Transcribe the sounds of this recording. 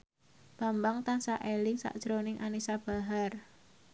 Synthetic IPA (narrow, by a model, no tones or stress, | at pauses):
b̥a̤mbaŋt̪ansaʔelɪŋsa̰ʔd̥ʒ̥ɾonɪŋʔanisab̥a̤ɦar